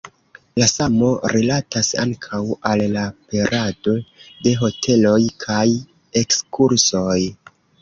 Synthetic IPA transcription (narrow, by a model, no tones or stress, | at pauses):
lasamo̞ɾilatasa̰ŋkʰawalːape̞ɾʔad̥o̞de̞ɦo̞tʰe̞lo̞jkʰaj | e̞kskuɾso̞j